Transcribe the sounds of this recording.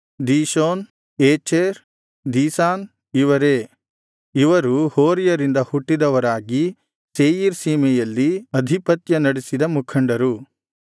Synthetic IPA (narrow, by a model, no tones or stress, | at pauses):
d̪iːʃoːn | eːt͡ʃeːɾ | d̪iːsaːn | iʋɐɾeː | iʋɐɾuhoːɾijɐɾind̪ɐhuʈːid̪ɐʋɐɾaːɡi | seːjiɾsiːmɛjɐlːiɐd̪ʱipɐt̪jɐnɐɽesid̪ɐmukʰɐɳɖɐɾu